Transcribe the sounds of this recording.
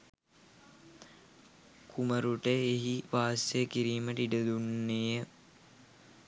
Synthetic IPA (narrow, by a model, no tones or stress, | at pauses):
kʰuməɾuʈəeɦiʋaːsejəkiɾiːməʈ̪iɖəd̪unːejə